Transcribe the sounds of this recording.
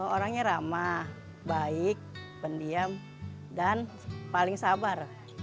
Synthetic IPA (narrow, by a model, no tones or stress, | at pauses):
oɾaŋɲaɾama | baɪk̚pəndiam | dan | palɪŋsabar